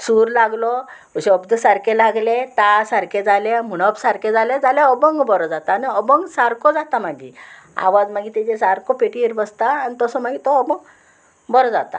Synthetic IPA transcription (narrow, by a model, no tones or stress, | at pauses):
suɾlaɡlɔ | əɕeɔbd̪əsaɾkelaɡlet̪asaɾked͡zalem̤uɽ̃ɔbsaɾked͡zaled͡zaleɔbəŋɡbɔɾɔd͡zat̪aːniɔbəŋɡsaɾkɔd͡zat̪amaɡḭ | a̰ʋad͡zmaɡit̪ed͡ʑesaɾkɔpeʈiɾbəst̪aːnit̪ɔsɔmaɡit̪ɔːbəŋ | bɔɾɔd͡zat̪a̰